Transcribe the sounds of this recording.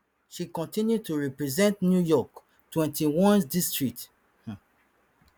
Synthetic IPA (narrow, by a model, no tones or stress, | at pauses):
ʃikɔ̃ntĩnjud̚tuɹɛpɹɛzɛ̃ntnjujɔk | twɛ̃ntiwɔ̃nsdistɹik̚t | h̩